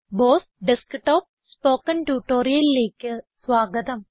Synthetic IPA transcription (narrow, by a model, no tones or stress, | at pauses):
boːs | ɖɪskʈɔːp̚spoːkɐnʈuːʈoːɾijɐlileːkːɨsʋaːɡɐt̪ɐm